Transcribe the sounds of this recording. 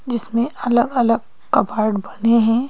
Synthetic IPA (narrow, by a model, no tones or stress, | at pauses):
d͡ʒɪsmẽʔɐləɡələɡ | kɐbaːɾɖbɐneɦɛ̃